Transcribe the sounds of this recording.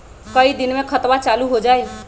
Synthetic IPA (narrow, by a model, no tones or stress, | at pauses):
kəid̪inmekʰət̪bat͡ʃaluɦod͡ʒaj